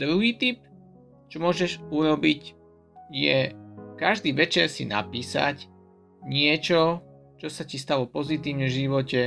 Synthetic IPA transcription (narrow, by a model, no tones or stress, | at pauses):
d̪ɾuɦiːt̪ip̚ | t͡ʃɔmʊɔʒɛʒuɾɔbic | jɛkaʒd̪iːʋɛt͡ʃɛɾsḭna̰piːsa̰c | ɲɪɛt͡ʃɔ | t͡ʃɔsacist̪aʋɔpɔzit̪iːʊɲɛʒiʋɔcɛ